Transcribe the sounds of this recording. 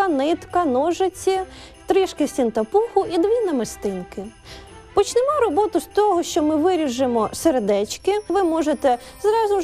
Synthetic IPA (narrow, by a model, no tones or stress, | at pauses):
ɐnɪt̪kɐnɔʒet͡sʲi | t̪ɾɪʃkɪsʲtʲint̪ɐpuxʊʔid̪ʋʲinɐmɪst̪ɪnkɪ | pɔt͡ʃnɪmɔɾɔbɔt̪ʊst̪ɔɦɔʃt͡ʃɔmɪʋɪɾʲiʒɪmɔseɾed̪ɛt͡ʃkɪʋɪmɔʒet̪ɛ | zɾɑzʊ